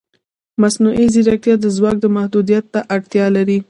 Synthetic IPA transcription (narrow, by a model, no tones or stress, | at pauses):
masnuʔiziɾak̚t̪jɑd̪əzwɑk̚d̪əmahd̪ud̪ijat̪ːaʔaɽt̪jɑlaɾi